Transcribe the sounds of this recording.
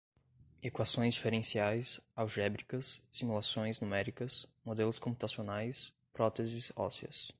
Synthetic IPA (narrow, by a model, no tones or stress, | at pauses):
ekwasõj̃zd͡ʒifeɾẽsiajsawʒɛbɾikɐsːimulasõj̃znumɛɾikɐsmod̪elʊskõmput̪asionajs | pɾɔt̪ezɪsɔ̰siɐ̰s